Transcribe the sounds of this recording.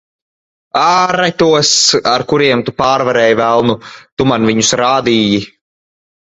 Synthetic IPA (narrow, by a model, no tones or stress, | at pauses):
aːɾat̪uɔsaɾkuɾiɛmt̪upaːɾvaɾɛːjvælˠnut̪umanviɲusɾaːd̪iːji